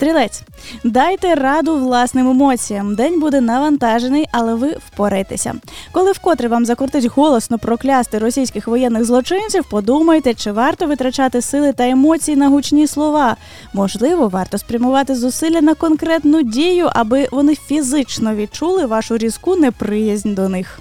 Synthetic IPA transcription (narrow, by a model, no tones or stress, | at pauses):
st̪ɾʲilˠɛt͡sʲ | d̪ɑjt̪ɛrɑd̪ʊʋlˠɑsnɪmemɔt͡sʲijɐmd̪ɛnʲbud̪ɛnɐʋɐnt̪ɑʒenɪjʔɐlˠɛʋɪwpɔɾɪjt̪esʲɐ̰kɔlˠɪwkɔt̪ɾɪʋɑmzɐkɔrt̪ɪtʲɦɔlˠɔsnɔpɾɔklʲast̪ɪɾɔsʲijsʲkɪxʋɔjɛnːɪɣzlˠɔt͡ʃɪnʲt͡sʲiwpɔd̪umɐjt̪ɛt͡ʃɪʋɑrt̪ɔʋɪt̪ɾɐt͡ʃɑt̪ɪsɪlˠɪt̪ɐemɔt͡sʲijinɐɦut͡ʃnʲislˠɔʋɑ | mɔʒlˠɪʋɔʋɑrt̪ɔspɾʲɐmʊʋɑt̪ɪzʊsɪlʲːɐnɐkɔnkɾɛt̪nʊdʲijʊʔɐ̰bɪʋɔnɪfʲizɪt͡ʃnɔʋʲit͡ʃulˠɪʋɑʃʊɾʲiz̥kunɛpɾɪjɐzʲnʲd̪ɔnɪx